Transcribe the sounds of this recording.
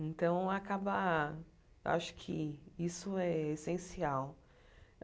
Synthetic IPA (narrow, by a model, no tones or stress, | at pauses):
ẽnt̪ɐ̃w̃akabɐ | ewʔa̰ʃʊ̥kʰɪisʊɛesẽsiaw